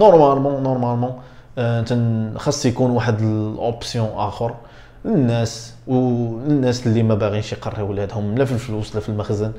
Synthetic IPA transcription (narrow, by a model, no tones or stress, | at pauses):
noɾˤmælmɑ̃noɾˤmælmɑ̃ | ənt̪ænxɑsˤːjkunwaħəd̪əlʔopsjɔ̃ʔæxəɾ | lənːæswlənːæslːimæbaɣinʃjqɑrˤːiwəlhæd̪hʊmːlæfilfluslæfilməxzən